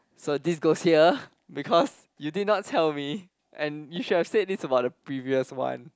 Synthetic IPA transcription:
sodisɡoshiə | bikʰɔs | judid̚ⁿnɔtʰɛlmi | ʔɛ̃njuʃud̚hɛfsed̚disəbaʊt̚dəpʰɹiviəswã̰n

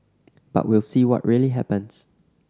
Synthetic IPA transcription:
b̥a̰ʔwilˠsiwɔ̰ʔɹiəliɦɛpə̃ns

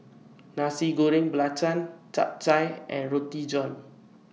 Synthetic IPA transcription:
nãsiɡoɾɪ̃ŋbəlat͡ʃãnt͡ʃa̰p̚t͡ʃajʔɛ̰̃nɹot̪id͡ʒɔ̃n

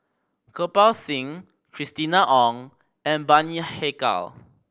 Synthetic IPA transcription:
kʰopalsĩŋ | kʰɹistinaʔɔ̃ŋ | ɛ̃nbaniheka̰l

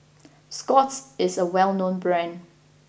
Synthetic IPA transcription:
skɔtsɪsəwɛlˠnõnbɹɛ̃n

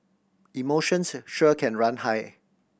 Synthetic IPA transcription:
imoʃə̃nsʃɔkʰɛ̃nɹãnhaj

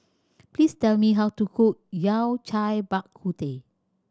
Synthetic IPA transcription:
plistɛlmiɦawtukʰut̚jawt͡ʃajbakʰːute

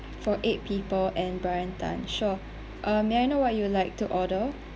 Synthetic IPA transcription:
fɔʔet̚pʰipəlɛ̃nbɹaɹə̃ntʰã̰nʃɔ | ʔãmmaɪjnowɔt̚julaɪk̚tuʔɔdə

